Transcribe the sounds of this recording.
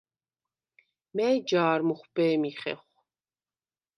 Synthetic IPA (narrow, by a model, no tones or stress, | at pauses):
mɛd͡ʒaːɾmuχʷbɛːmiχɛ̰χʷ